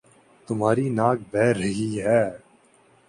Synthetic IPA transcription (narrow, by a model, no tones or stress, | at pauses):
t̪ʊmɦaːɾinaːk̚bɛːɾːɐɦiɦɛː